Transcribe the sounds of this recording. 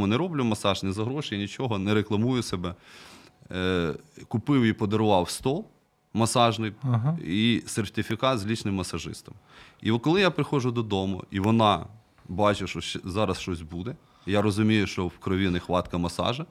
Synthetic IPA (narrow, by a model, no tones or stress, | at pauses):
ʊnɛɾɔblʲʊmɐsɑʒnʲɪzɐɦɾɔʃɪnʲit͡ʃɔɦɔnɛɾeklˠɐmujʊsebɛ | kʊpɪwipɔd̪ɐɾʊʋɑwst̪ɔlˠ | mɐsɑʒnɪkɦisert̪ʲɪfʲɪkɑt̪zʲlʲit͡ʃnɪmːɐsɐʒɪ̰st̪ɔmiɔkɔlˠɪjapɾɪxɔʒʊd̪ɔd̪ɔmʊ̰iʋɔnɑ | bɑt͡ʃɪʃɔʃɛzɑɾɐsʃt͡ʃɔsʲbud̪ɛ | jaɾɔzʊmʲijʊʃt͡ʃɔwkɾɔʋʲinɪxʋɑt̪kɐmɐsɑ̰ʒɐ